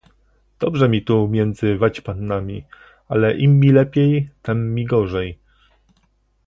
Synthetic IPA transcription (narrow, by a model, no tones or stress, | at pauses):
d̪̥ɔbʐɛmʲit̪umʲjɛnd̪zɘvat͡ɕpanːamʲi | alɛʔimʲːilɛpʲjejt̪ɛmːʲiɡɔʐɛj